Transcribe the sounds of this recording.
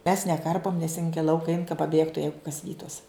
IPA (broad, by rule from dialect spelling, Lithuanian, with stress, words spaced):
mʲɛs nʲɛˈkɐrpoːm nʲɛs ɪn ɡʲɪ ɪ ˈlˠɐʊkɐ ɛɪn kɐ pɐˈbʲeːktʊ ˈjɛɪɡʊ kɐs ˈʋʲiːtʊs